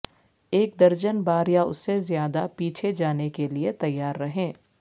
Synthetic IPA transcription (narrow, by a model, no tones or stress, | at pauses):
eːk̚d̪ɐɾd͡ʒənbaːɾjaʊ̰sːezjaːd̪apiːt͡ʃʰed͡ʒaːnekeliet̪ɐjːaːɾːɐɦẽː